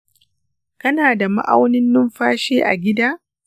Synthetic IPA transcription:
kɐ˦naː˨da˨ma̰˦ʔa̰˦wnɪ˦nːʊ˦mɸaː˦ʃeː˦ʔa̰˨ɡʲɪ˦daː˦

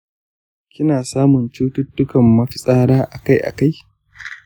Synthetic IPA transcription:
kʲɪ˦naː˨saː˦mʊ˨nt͡ʃuː˦tʊ˦tːʊ˦kɐ˨mːɐ˦ɸɪ˦sʼaː˦ɽaː˦ʔa˨ka˦jʔa̰˨ka˦j

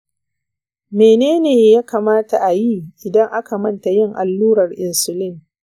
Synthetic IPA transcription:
meː˨neː˦neː˨jaː˦kaː˨maː˦ta˨ʔa˨ji˦ʔɪ˨dɐ˦ŋʔa˦ka˨mɐ˦nta˨jɪ˦ŋʔa˨lːuː˦ɾɐ˨rʔɪ˨nsʊ˨lɪ˦m

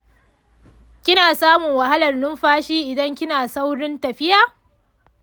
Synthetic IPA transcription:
kʲɪ˦naː˨saː˦mʊ˨ŋwɐ˨ɦa˦lɐ˨rnʊ˦mɸaː˦ʃiː˦ʔɪ˨dɐ˦ŋkʲɪ˦naː˨sa˦wɽɪ˦ntɐ˨ɸɪ˦jaː˨

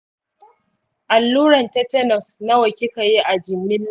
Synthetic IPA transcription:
ʔa˨lːuː˦ɾɐ˨ntɛ˦tɛ˦nɔ˨sna˦wɐ˨kʲɪ˦ka˨ji˦ʔa˨d͡ʒɪ˨mːɪ˦nːa˦˨

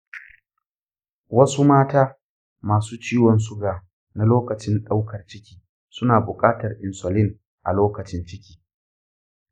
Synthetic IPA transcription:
wɐ˦su˦maː˦taː˦ | maː˨suː˦t͡ʃiː˦wɔ˨ns̬ʊ˦ɡaː˨ | na˦loː˦kɐ˨t͡ʃɪ˦nɗa˦wkɐ˨rt͡ʃɪ˦kʲiː˨˦ | sʊ˦naː˨bʊ˨kʼaː˦tɐ˨rʔɪ˨nsɔ˨lɪ˦ŋ | ʔa̰˨loː˦kɐ˨t͡ʃɪ˦nt͡ʃɪ˦kʲiː˦

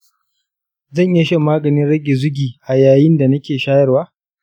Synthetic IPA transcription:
zɐ˦˨ŋʔi˦ja˨ʃe˦˨mːaː˦ɡɐ˨nɪ˦nɽɐ˦ɡʲe˨zʊ˦ɡʲiː˨ʔa˨jaː˨jɪ˦nda˨nɐ˦kʲeː˨ʃaː˦jɐ˦rwaː˦

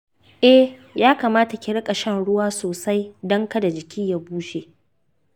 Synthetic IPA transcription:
ʔɛ˦hjaː˦kaː˨maː˦ta˨kʲɪ˦ɽɐ˦kʼɐ˨ʃɐ˦nɽʊ˦waː˦soː˨sa˦jdɔ˦ŋka˦da˨d͡ʒɪ˨kʲʰiː˦ja˦buː˦ʃeː˨ʔ

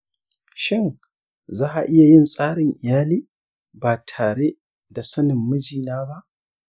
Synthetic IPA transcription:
ʃɪ˦˨ŋ | zaː˦ʔa˨ʔɪ˦ja˨jɪ˦nsʼaː˦ɽɪ˨ŋʔɪ˨jaː˦liː˦ | baː˨tʰaː˨ɽe˦ | da˨sɐ˦nɪ˨mːɐ˦d͡ʒiː˨naː˦ba˦ʔ

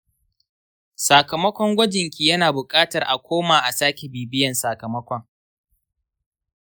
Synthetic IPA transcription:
saː˨kɐ˨mɐ˦kʷɔ˦ŋɡʷɐ˦d͡ʒɪ˨ŋkʲiː˨jɐ˦naː˨bʊ˨kʼaː˦tɐ˨rʔa˨kʷoː˦maː˨ʔa˨saː˦kʲe˨biː˨bɪ˦jɐ˨nsaː˨kɐ˨mɐ˦kʷɔ˦ŋ

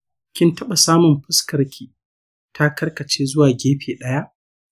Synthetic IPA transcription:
kʲɪ˦ntɐ˦ɓa˨saː˦mʊ˨mɸɪ˦skɐ˨rkʲiː˨ | tʰa˦kɐ˦rkɐ˨t͡ʃeː˦zʊ˦waː˨ɡʲeː˦ɸeː˨ɗɐ˦ja˦ʔ

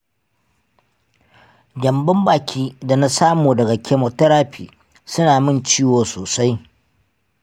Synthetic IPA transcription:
ɡʲɐ˨mbɪ˦mbaː˨kʲʰiː˦da˨na˦saː˦moː˨dɐ˨ɡa˨kʰʲe˦mo˨tɐ˦ɾaː˦ɸḭː˨ | sʊ˦naː˨mɪ˦nt͡ʃiː˦woː˨soː˨sa˦j

